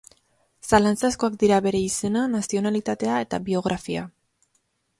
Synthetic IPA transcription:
salant͡sasko̞ak̚d̪iɾaβe̞ɾe̞ise̞nanasio̞nalit̪at̪e̞ae̞t̪aβio̞ɣ̞ɾʔafia̰

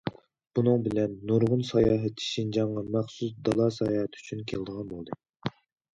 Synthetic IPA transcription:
b̥unɨŋbɪlɛnːuɾʁʊnsɑjɑːɦɛt̪ʰːi̥ʃind͡ʒɑɴːɑmæχsusd̪ɑlˠɑsɑjɑhɛt̪ʰyt͡ʃʰynkʲʰeld̪əʁɑnbolˠd̪ɨ

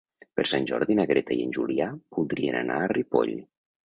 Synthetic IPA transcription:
pəɾsanʲʒɔɾðinəɣɾet̪aiənʲʒuliapulˠd̪ɾiəna̰nʔa̰ːripo̰ʎ

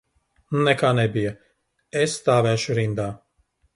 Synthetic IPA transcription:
nunɛkaːnɛbijɐ | ɛsːt̪aːvæːʃuɾind̪aː

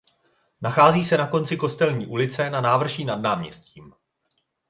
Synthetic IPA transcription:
naxaːziːsɛnako̞nt͡sɪko̞st̪ɛlɲiːʔulɪt͡sɛnanaːvr̩ʒiːnadnaːmɲɛ̰sciːm

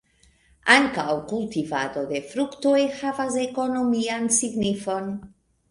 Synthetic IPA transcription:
aŋkawkultivad̪o̞d̪e̞fɾuktojhavas̬eko̞no̞miansiɡnifo̞n

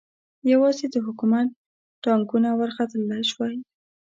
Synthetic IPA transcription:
jawɑzed̪əɦʊkumat̪̚ː | ɑŋkunawaɾxat̪əlːajʃwaj

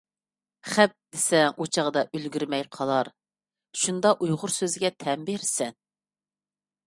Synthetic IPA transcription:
χɛp̚d̪̥esɛŋut͡ʃʰɑʁd̪ɑʔølɡʲyɾmɛjqʰɑlˠɑɾ | ʃund̪ɑʔujʁʊɾsøzɡʲɛt̪ʰɛmbeɾsɛn

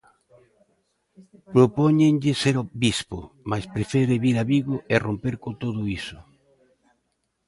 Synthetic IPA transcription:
pɾopoɲeŋʎɪseɾobispʊ̰maspɾefeɾeβiɾaβiɣoʔerompeɾkot̪oðʊisʊ̥

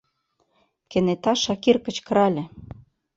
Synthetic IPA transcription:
kĕnet̪ɑʃɑkirkə̆t͡ɕkɤ̆ɾɑlʲĕ

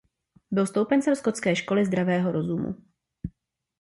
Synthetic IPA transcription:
bɪlst̪owpɛnt͡sɛmskot̪t͡skɛːʃko̞lɪzd̪ɾavɛːɦo̞ɾo̞zumṵ

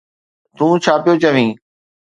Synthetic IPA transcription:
t̪ũːt͡ɕʰaːpɪjot͡ɕəʋĩː

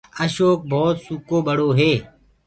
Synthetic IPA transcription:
əʃoːk̚bʱoːt̪sukoːɓəɽ̤oːɦeː

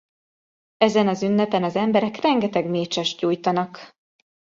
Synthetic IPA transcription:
ɛzɛnɒzynːɛpɛnɒzɛmbɛɾɛkrɛŋɡɛt̪ɛɡmeːt͡ʃɛʃɟuːjt̪ɒnɒk

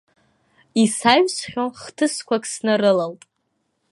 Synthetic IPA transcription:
isaɥsχʲoχtʰɨskʷakʼsnɨrɨlaltʼ

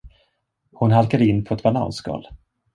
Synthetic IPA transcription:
hʊnɦalkad̪əɪnːpʰɔɛt̪bala̰ːnsɡɑ̰ːl

